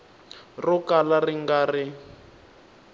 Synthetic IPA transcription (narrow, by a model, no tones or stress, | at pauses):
rɔkalariŋɡarɪ